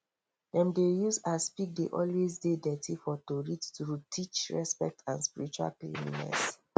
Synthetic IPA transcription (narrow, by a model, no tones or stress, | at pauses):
dɛ̃mdejusaspik̚deʔɔlwezdedɛtʰifɔtoɹittɾutʰit͡ʃɹɛspɛ̰k̚tʰãnspiɾit͡ʃua̰lplḭnḭnɛ̰s